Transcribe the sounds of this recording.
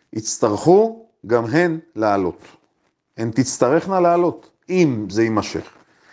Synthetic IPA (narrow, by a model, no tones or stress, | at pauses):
it͡st̪aʁχu | ɡamɦenlealo̞t̪ | hent̪it͡st̪aʁe̞χnaleːlo̞t̪ | imzeimaʃe̞̰χ